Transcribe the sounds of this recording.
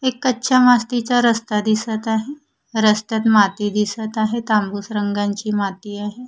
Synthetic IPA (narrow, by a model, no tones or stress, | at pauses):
ekːətːɕʰamast̪it͡ɕaɾəst̪ad̪isət̪aɦe | ɾəst̪at̪mat̪iːd̪isət̪aɦet̪ambusɾəŋɡaɲt͡ɕiːmat̪iːaɦe